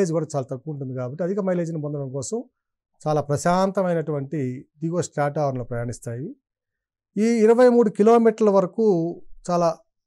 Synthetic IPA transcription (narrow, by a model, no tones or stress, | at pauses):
eːd͡ʒkuːɽaːt͡ʃaːlaːt̪ɐkːuːɳʈund̪ikaːbɐʈːiɐd̪ʱikɐmɐjle̞ːd͡ʒunibond̪ɐɽɐmkɔːsɐm | t͡ʃaːlaːpɾɐʃaːnt̪ɐmɐjnɐʈuʋɐɳʈiɖiːɡoːsʈɾaːʈaːʋɾnloːpɾɐjaːɳist̪aːji | iːɾɐʋɐjmuːɽukilo̞ːmiːʈɐɾlɐʋɐɾɐkuːt͡ʃaːlaː